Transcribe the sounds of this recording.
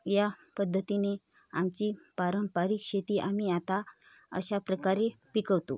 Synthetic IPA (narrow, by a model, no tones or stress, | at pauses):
japəd̪ʱːət̪ine | amt͡ɕiːpaɾəmpaɾikɕet̪iːʔamiat̪a | ə̰ɕapɾəkaɾepikəʋt̪o̰